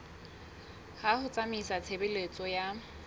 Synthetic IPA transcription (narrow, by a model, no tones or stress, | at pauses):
hahʊt͡samisat͡sʰebɪlet͡sʼɔja